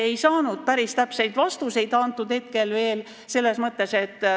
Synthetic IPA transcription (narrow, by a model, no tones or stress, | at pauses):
e̞jsɑːnud̪̥̚pæɾist̪æpse̞jd̪̥vɑst̪use̞jd̪ɑnt̪ːˑud̪̥he̞t̪ke̞lve̞ːl | se̞lːe̞smɤt̪ːˑe̞se̞t̪ː